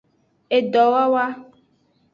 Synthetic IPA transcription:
e˨dɔ˨wa˦wa˦

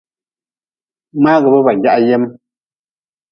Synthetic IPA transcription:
maː˦ɣɛ˨bə˦βa˨ŋɡʲja˦ʔa˦je˦m˦

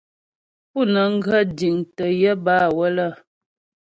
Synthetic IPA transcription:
pu˦˨nə˨ŋ̩˦ɡə˦di˨ŋtə˨jə˦baː˦˨wə˦lə˦˨

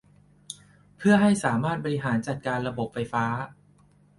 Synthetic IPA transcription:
pʰɯ˥˩ɐɦa˥˩jsaː˩˦maː˥˩t̪̚bɔ˧ɾi˧ɦaː˩˦nt͡ɕa˨˩t̪̚kaː˧nɾa˧bo˨˩p̚fa˧jfaː˦˥

